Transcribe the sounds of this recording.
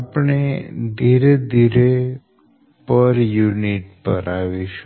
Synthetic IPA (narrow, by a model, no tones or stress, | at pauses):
apɳed̪ʱiɾed̪ʱiɾe | pəɾjuniʈpəɾaʋiʃu